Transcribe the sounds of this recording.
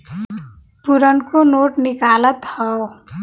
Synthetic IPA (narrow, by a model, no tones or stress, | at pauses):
puɾənkonoːʈnɪkaːlət̪hɔ